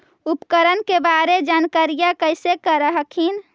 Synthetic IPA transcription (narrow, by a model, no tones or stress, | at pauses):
upkəɾənkebaɾed͡ʒankaɾijakəɪsekəɾəɦəkʰin